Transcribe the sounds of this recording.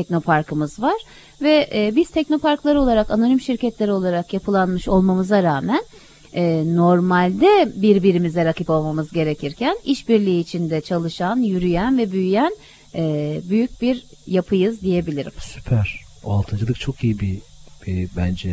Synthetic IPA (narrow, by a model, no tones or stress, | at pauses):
t̪ʰɛc̚no̞pʰaɾkʰɯmɯzvaɾ̥ | vɛʔbiz̥t̪ʰɛcno̞paɾklˠaɾɯo̞lˠaɾakano̞nimʃiɾcɛt̪lʲeɾio̞lˠaɾakjapʰɯlˠanmɯʃo̞lˠmamɯzaɾaːmæn | ɛːo̞ɾmalʲd̪ɛbiɾbiɾimizɛɾakɯpo̞lˠmamɯzɟe̞ɾecʰiɾcʰæniʃbiɾlʲiːt͡ʃʰind̪ɛt͡ʃʰalˠɯʃanjyɾyjænvɛbyjyjæn | ɛːbyjyc̚biɾ | japʰɯjɯzd̪ije̞bilʲiɾḭmsy̥pʰæɾ̥ | oa̰lˠt̪ʰɯnd͡ʒɯlˠɯk̚t͡ʃʰo̞kʰijibiɛbænd͡ʒɛ